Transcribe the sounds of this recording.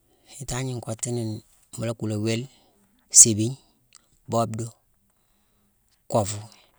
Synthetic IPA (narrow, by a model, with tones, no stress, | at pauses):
hi˨˦ta˦ɲi˨ŋko˨ti˦ni˨n˨ | mu˨la˦ku˨la˨we˦l | se˨bi˦ɲ | bo˦bdo˦ | kɔ˨vu˨